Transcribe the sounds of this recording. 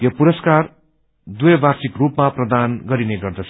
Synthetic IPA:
jopuɾʌskar | d̪ujʌbarsikrupmaprʌd̪anɡʌɾineɡʌrd̪ʌt͡sʰ

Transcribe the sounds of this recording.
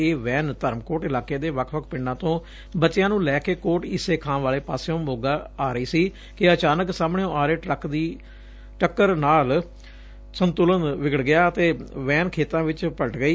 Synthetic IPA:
eːʋɛ̃ːnt̪əɾmkoːʈɪlaːkeːd̪eːʋəkʰʋəkʰpɪɳɖãːt̪õː | bətːt͡ʃːɪjãːnũːlɛːkeːkoːʈɪseːkʰãːmʋaːleːpaːseõːmoːɡaːaːɾəiːsiː | kɪət͡ʃaːnəksaːmɳeõːʔaːɾeːʈɾəkd̪iː | ʈəkːəɾnaːl | sənt̪ʊlənʋɪɡəɽɡɪjaːət̪eːʋɛ̃ːnkʰeːt̪ãːʋɪt͡ʃpəʈɡəiː

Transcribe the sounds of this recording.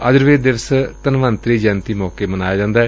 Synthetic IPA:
əd͡ʒəɾʋeːd̪ɪʋəst̪ənʋənt̪ɾiːd͡ʒɛːnt̪iːmɔːkeːmənaːjaːd͡ʒãːnd̪aːɛː

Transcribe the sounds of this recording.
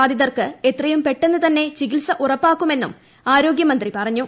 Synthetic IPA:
aːd̪iðɐrkɨe̞t̪rɐjumpe̞ʈːe̞nːɨt̪ɐnːe̞t͡ɕikilsɐʔurɐpːaːkːume̞nːṵm | aːɾo̞ːɡjɐmɐnd̪ripɐrɐɲːu

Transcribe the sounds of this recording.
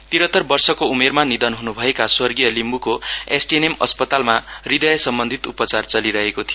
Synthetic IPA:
t̪iɾʌt̪ːʌrbʌrsʌkoumermanid̪ʌnɦunubʱʌekaswʌrɡijʌlimbukoesʈienemʌ̰spʌt̪almarid̪ʌjʌsʌmbʌnd̪ʱit̪upʌt͡sart͡sʌliɾʌɦekot̪ʰij

